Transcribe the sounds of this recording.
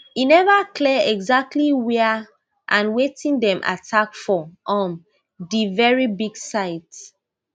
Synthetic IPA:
inɛvaklɛɛɡzak̚tʰliwɛ | ʔãnwetĩndɛ̃mʔa̰tʰakfɔʔɔ̃n | divɛɹibiɡsaɪt

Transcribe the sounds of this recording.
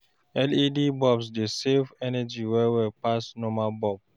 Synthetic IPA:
ɛlidibɔbsdesefɛnɛd͡ʒiwɛwɛpasnɔmabɔb̚

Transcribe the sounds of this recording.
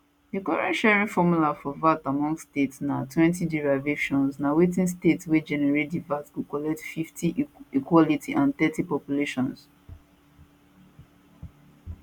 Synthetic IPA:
dikɔɹɛ̃ntʃɛɹĩŋfɔmulafɔvatamɔ̃ŋɡstetsnatʰwɛ̃ntiduɹavekʃɔ̃nsnawetĩns̬tetswed͡ʒɛnɛɹetdivatswukɔlɛk̚tfiftʰiikwɔlitʰiʔãnθɛtipɔpjuleʃɔ̃ns

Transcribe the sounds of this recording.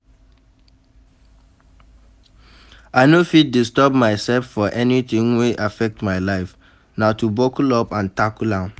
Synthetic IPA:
aɪnofit̚distɔbmaɪsɛlfːɔʔɛnitĩŋweʔafɛk̚tmaɪlaɪf | natubɔkulɔpãntakulãʊ̃n

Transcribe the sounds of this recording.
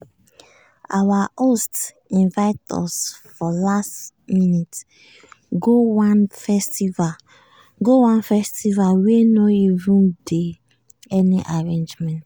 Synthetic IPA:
awaʔost | ĩnvaɪtɔ̰sfɔlastminit | ɡowanfɛstiva | ɡowãnfɛstivalwenɔivũnde | ɛniʔaɹẽnd͡ʒmɛ̃nt

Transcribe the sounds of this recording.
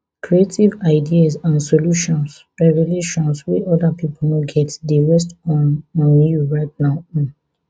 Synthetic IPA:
kʰɹietʰivaɪdiasãnsoluʃɔ̃ns | ɹɛvɛleʃɔ̃nswiʔɔdapʰipʰɔnoɡɛtdeɹɛs̬tɔ̃nɔ̃njuɹaɪtnaʊɔ̃n

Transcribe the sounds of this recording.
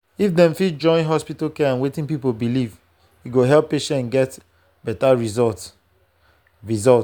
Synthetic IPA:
ifdɛ̃mfid͡ʒɔ̃ɪ̃nɦɔspitalkɛãnwetĩnpipolbiliv | juɡoɦɛlpːeʃɛ̃nɡɛt | b̥ɛtaɹizɔt | ɹizɔlt

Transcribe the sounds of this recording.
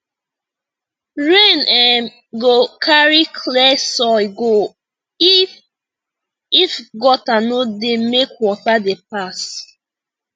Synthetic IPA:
ɹenɛ | ɡokʰaɹikʰlɛsɔjɡo | i | ifɡɔtanodemekwɔtadep̚as

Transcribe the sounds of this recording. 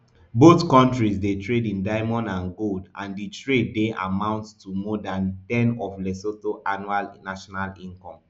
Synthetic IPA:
boθkɔ̃ntɹisdetɹedĩndaɪmɔ̃nãnɡoldã̰nditʰɹedːeʔa̰mãʊ̃nttːumɔdãntɛ̃nɔflɛsotoʔanualnaʃɔnalĩnkɔ̃m

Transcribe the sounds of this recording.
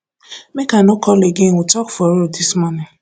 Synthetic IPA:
mekanʊkʰɔleɡeŋʷutɔkfɔɾodismɔnɪ

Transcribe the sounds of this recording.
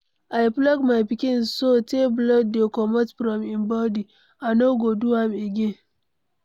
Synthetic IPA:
ʔajplɔkmajpɪkʲɪnsoteblɔddekɔmɔtɸɾɔmɪmbɔdi | ʔanoɡoduwameɡʲen

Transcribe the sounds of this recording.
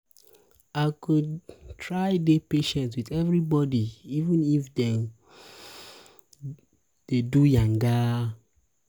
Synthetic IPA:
aɪkudtʰɹajdepeʃɛ̃ntwiθɛvɹibɔdiivə̃nifdɛ | d̥edujãŋɡa

